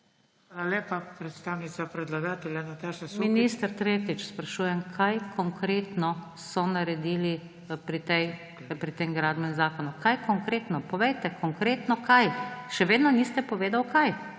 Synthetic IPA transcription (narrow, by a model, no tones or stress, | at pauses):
alepapɾɛt̪st̪aːwnit̪sapɾɛd̪laɡaːt̪ɛlʲjanat̪aːʃnasmminist̪əɾt̪ɾeːt̪it͡ʃspɾaʃuːjɛmkʰajkʰɔŋkɾeːt̪nɔsɔnaɾɛd̪iːli | pɾit̪ɛj | pɾit̪eːmɡɾaːd̪bɛmzaːkɔnukajkɔŋkɾeːt̪nɔpɔʋɛjt̪ɛkʰɔŋkɾeːt̪nɔkajʃɛʋeːd̪nɔnist̪ɛpɔʋeːd̪awkaj